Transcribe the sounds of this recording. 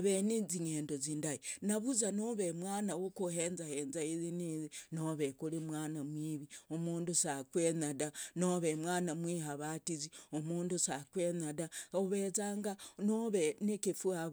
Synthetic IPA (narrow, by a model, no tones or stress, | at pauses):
aβeneziɲeːndoziːndainaβuzanoβemwaːnawokuheːnzaheːnzaizinizinoβekulimwaːnamwiːβiomuːndusakwenadanoβemwaːnamwiːɦaβatiziomuːndusakwenadaoβezaːŋɡanoβenekifuaβ